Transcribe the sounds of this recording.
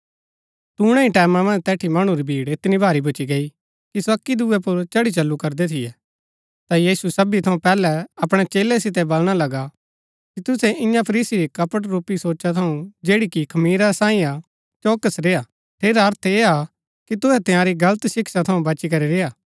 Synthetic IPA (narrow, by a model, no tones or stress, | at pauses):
t̪uːɽ̃ẽĩʈɛːmamɐ̃nd͡ʒt̪ɛːʈʰimɐɽ̃ũɾibʱiːɽɪt̪nibʱaːɾibʱʊt͡ʃiɡɐi | kisɐkːid̪uɛpʊɾt͡ʃɐɽit͡ʃɐlːukɐɾd̪ɛt̪ʰɪjɛ | t̪ajiːsusɐbit̪ʰɐũpɛːlɛɐpɽ̃ɛt͡ʃeːlɛs̬ɪt̪ɛbɐlɽ̃alɐɡa | kit̪ʊsɛʔɪ̃jãpʰɐɾiːsiɾikɐpəʈɾuːpisoːt͡ʃat̪ʰɐũd͡ʒeːɽikikʰɐmiːɾasãːĩa | t͡ʃoːkəsɾeːa | ʈ̪ʰeːɾaɦɐɾt̪ʰeːa | kit̪ʊɦɛt̪ɪ̃jãːɾiɡɐlət̪sɪkʃat̪ʰɐũbɐt͡ʃikɐɾiɾeːaː